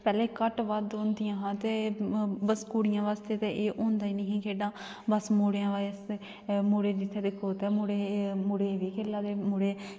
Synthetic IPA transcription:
pɛːleːkəʈʋad̪õːnd̪ijãːɦãːt̪eːbəskuːɽɪjãːʋaːst̪eːt̪eːʔeːʔõːnd̪aːiːnə̃ɦĩːkeːɖãː | bəsmoːɽeãːʋaːs | moːɽeːd͡ʒɪt̪ʰːɛːd̪ɪkʰːoːt̪ɛːmoːɽeːmoːɽeːʋiːkʰeːlːaːd̪eːmoːɽeː

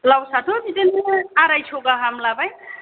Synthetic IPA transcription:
lawsat̪ʰotitinaɾajt͡ʃʰoɡaɦamlabaj

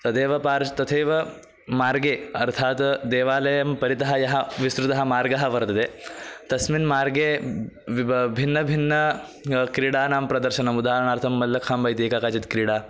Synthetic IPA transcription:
t̪ɐt̪eːʋɐpaːɾt̪ɐt̪ʰeːʋɐ | maːɾɡeːɐɾt̪ʰaːt̪d̪eːʋaːlɐjɐmpɐɾit̪ɐɦɐjɐɦɐʋisɾut̪ɐɦɐ̆maːɾɡɐɦɐ̆ʋɐɾt̪ɐd̪eːt̪ɐsminmaːɾɡeː | bʱinːɐbʱinːɐ | kɾiːɽaːnaːmpɾɐd̪ɐɾʃɐnɐmud̪aːɾɐɳaːɾt̪ʰɐmːɐlːɐkʰambɐjt̪iːkaːkaːt͡ʃit̪kɾiːɽaː

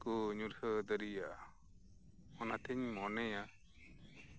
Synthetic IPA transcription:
kuɲuɾhəd̪əɾijaʔa | ɔnat̪ʰɛɲmɔnɛja

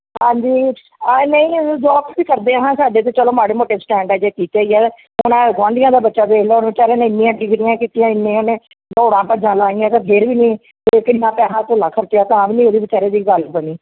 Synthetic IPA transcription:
ɦãːɲd͡ʒiː | nəĩːd͡ʒoːapsiːkəɾd̪eːəɦãːsaːɖeːt̪̬ẽːt͡ʃəloːmaːɽeːmoːʈeːsʈɛ̃ːɳɖaːd͡ʒeːkiːt̪eːiɛː | ʊnãːɡʋãːnd̪ɪjãːd̪aːbətːʃaːbeːloːonːʋt͡ʃaːɾeːnẽːɪnːĩjãːɖɪɡɾɪjãːkiːt̪ɪjãːɪnːẽːonẽː | ɡoːɽãːpəd͡ʒãːlaːĩjãːt̪ãːpʰɪɾʋiːnĩː | eːkəɪnãːpɛːɦãːt̪olãːkʰəɾt̪jaːt̪ãːaːʋiːnĩːoːd̪eːʋət͡ʃaːɾeːd̪iːɡəlbəniː

